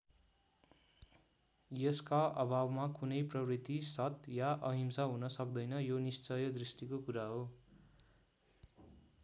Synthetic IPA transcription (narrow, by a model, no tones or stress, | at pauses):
jʌskaʔʌbʱabmakunʌjprʌwrit̪isʌt̪jaʔʌɦimsaɦunʌsʌkd̪ʌjnʌjonist͡sʌjʌd̪risʈikokuɾaɦo